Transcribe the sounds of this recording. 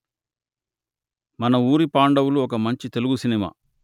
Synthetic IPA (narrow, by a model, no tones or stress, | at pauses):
mɐnɐuːɾipaːɳɖɐwuluɔk̬ɐmɐɲt͡ʃit̪e̞luɡusinima̰ː